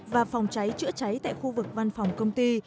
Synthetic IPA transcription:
vaː˨˩fɔ˨˩wŋ͡mt͡ɕa˨˦jt͡ɕɨ̰˧˥ət͡ɕa˨˦jt̪a̰ː˧˨jxu˧vɨ˨˩k̚va˧nfɔ˨˩wŋ͡mkə˧wŋ͡mt̪i˧

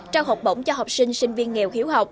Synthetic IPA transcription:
t͡ɕaː˧wɦɔ˨˩k͡p̚ɓo̰˧˦ŋ͡mt͡ɕɔ˧ɦa˨˩wk͡p̚sï˧ŋ̟sï˧ŋ̟vi˧ənŋḭ˨˩əwxi˨˦əwɦa˨˩wk͡p̚

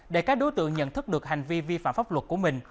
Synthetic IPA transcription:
ɗe˧˩kaː˦˥k̚ɗo˨˦jt̪ɨ̰˧˨əŋɲə̰˧˨nt̪ʰɨ˦˥k̚ɗɨ˨˩ək̚ha˨˩ŋ̟vi˧vi˧fa̰ː˧˨mfaː˦˥p̚lwə˨˩t̚ku˧˩əmï˨˩ŋ̟

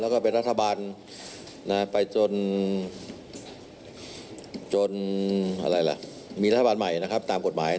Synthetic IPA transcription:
lɛː˦˥˩kɔː˥˩pe˧nɾa˦˥t̪ʰːa˧baː˧nː | a˦˥pa˧jt͡ɕo˧n | t͡ɕo˧nʔa̰˧ɾa˧jla̰˨˩ʔ | miː˧ɾa˦t̪ʰːa˧baː˧nma˨˩jna˦˥kʰa˦˥p̚t̪aː˧mko˨˩t̪̚maː˩˦j

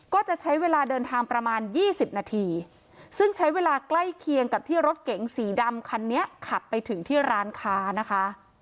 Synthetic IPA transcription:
kɔː˥˩t͡ɕa˨˩ʔt͡ɕʰa˦˥jweː˧laː˧dɤː˧nt̪ʰaː˧ŋpɾa˧maː˧njiː˥˩si˨˩p̚naː˧t̪ʰiː˧ | sɯ˥˩ŋt͡ɕʰa˦˥jweː˧laː˧kla˥˩jkʰi˧əŋka˨˩p̚t̪ʰiː˥˩ɾo˦˥t̪̚ke˩˦ŋsiː˩˦da˧mkʰa˧nːi˦˥ɐʔkʰa˨˩p̪̚pːa˧jt̪ʰɯ˨˩˦ŋt̪ʰiː˥˩ɾaː˦˥nkʰaː˦˥na˦˥kʰa˦˥ʔ

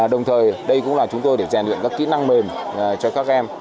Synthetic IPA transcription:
ɗə˨˩wŋ͡mt̪ʰəː˨˩jɗə˧jkʊ̰˧˥ŋ͡mlaː˨˩t͡ɕʊ˨˦ŋ͡mt̪o˧jɗe˧˩˨zaː˨˩nlwḭ˧˨nkaː˦˥kːḭ˧˥na˧ŋme˨˩n˨˩t͡ɕɔ˧kaː˦˥k̚ʔɛ˧m

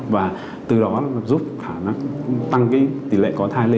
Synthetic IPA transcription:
vaː˨˩ | t̪ɨ˨˩ɗɔ˨˦zu˦˥p̚xʰaː˧˩na˨˦˥ŋt̪a˧ŋki˨˦t̪i˨˧˩lḛ˧˨kɔ˨˦t̪ʰaː˧jle˧

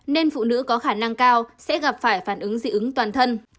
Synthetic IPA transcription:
ne˧nfṵ˧˨nɨ̰˧˥kɔ˨˦xaː˧˩na˧ŋkaː˧wsɛ̰˧˥ɣa˨˩p̚faː˧˩jfaː˧˩nʔɨ˨˦ŋzɨ̰˧˥ʔɨ˨˦ŋt̪waː˨˩nt̪ʰə˧n

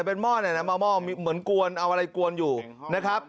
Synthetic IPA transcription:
pe˧nmɔː˥˩ni˧˩ɐna˦˥˩mɔː˧˩mɔː˥˩miː˧mɯ˩˦ənku˧ənʔa˧wʔa˧ɾa˧jku˧ənjuː˨˩ | na˦˥kʰa˦˥p̚

